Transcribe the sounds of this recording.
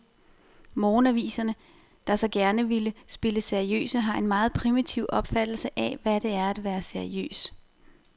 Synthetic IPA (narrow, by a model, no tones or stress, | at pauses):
mɔːnæʋḭːsɐnə | d̥ɑ̈sɒ̽ɡ̥æɐnəʋiləsb̥e̝ləseɐiø̰ːsəɦɑ̈e̝nmɑ̈ːð̞̩ˠpʰʁimit͡sʰiʊ̰ʔɒ̽b̥fæd̥l̩səʔɛʋæd̥e̝æɐæd̥ʋæːɐseɐiø̰ːs